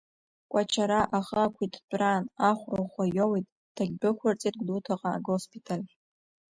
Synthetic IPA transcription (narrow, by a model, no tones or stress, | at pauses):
kʷʼat͡ʃʰaɾaʔaχəakʷʰitʰt͡ʃʷʼranaχʷroχʷajowijtʼ | d̥aɡʲbɨkʷʰart͡sʼit̚ɡʷdutʰaqʼa̰ːɡospʰitʰalʲ